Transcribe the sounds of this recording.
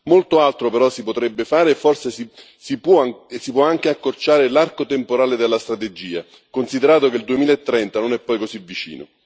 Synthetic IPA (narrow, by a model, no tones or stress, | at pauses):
molt̪oalt̪ɾopeɾɔsipot̪ɾɛbːefaːɾeːfːorsesi | sipɔsipwɔaŋk̟eakːort͡ʃaːɾelarkot̪empoɾaːled̪elːast̪ɾat̪ed͡ʒiːa | konsid̪eɾaːt̪okeld̪uemiːlaet̪ːɾɛnt̪anonɛpːɔjkozivːit͡ʃḭːno̰